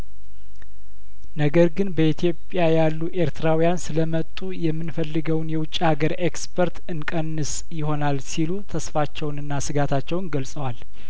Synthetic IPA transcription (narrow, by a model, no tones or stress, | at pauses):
nəɡəɾɡɨnbəit̪ʰijo̞pʼjajalːuʔe̞ɾt̪ʰɨɾawijansɨləmət̪ʼːujɛmːɨnfəlːɨɡəwnjɛwʊt͡ʃʼːihaɡəɾekspʰəɾt̪ɨnkʼənːɨs | jɪho̞nalsilut̪ʰəsfat͡ʃːɛwnɨnːasɨɡat̪ʰat͡ʃːɛwnɡəlsʼəwal